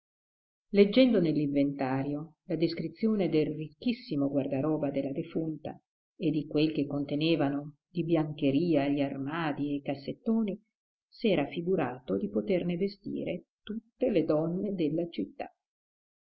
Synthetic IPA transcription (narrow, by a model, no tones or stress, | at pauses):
led͡ʒːɛnd̪onelːiɱvent̪aːɾjolad̪eskɾit̪sːjoːned̪elrikːisːimoɡward̪aɾɔːvad̪elːad̪efunt̪a̰ | ed̪ːikwelkekːont̪eneːvano | d̪ibjaŋk̟eɾiːaʎiarmaːd̪iekasːet̪ːoːni | sɛːɾafiɡuɾaːt̪od̪ipot̪ernevest̪ḭːɾet̪ut̪ːeled̪ɔnːed̪elːat͡ʃit̪ːa̰